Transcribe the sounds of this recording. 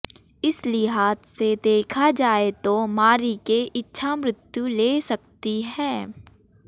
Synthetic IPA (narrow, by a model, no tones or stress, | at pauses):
ɪslɪɦaːt̪sed̪eːkʰad͡ʒaːet̪omaːɾikeʔɪtːʃʰamɾʊt̪juleːsɐkt̪iɦɛː